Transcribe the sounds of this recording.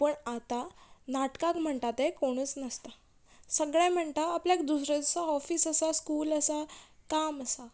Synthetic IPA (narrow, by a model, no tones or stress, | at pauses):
pəɳat̪anaʈkãkm̤əɳt̪at̪ekoɽ̃ut͡snəst̪a | səɡɭam̤əɳt̪aːpljak̚d̪usɾed͡zsaɔfiːsəsaskuːləsakaməsa